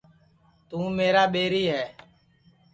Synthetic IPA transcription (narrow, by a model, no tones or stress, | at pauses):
t̪ũːmeːɾaːɓeːɾiːɦɛː